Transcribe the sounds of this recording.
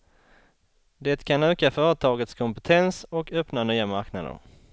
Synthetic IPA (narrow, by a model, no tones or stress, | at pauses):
d̪eːt̪kʰanøːkafœːɾət̪ʰɑːɡət̪skʰɔmpɛt̪ʰɛnsɔkʰœpnanyːamaɾknad̪ə̰ɾ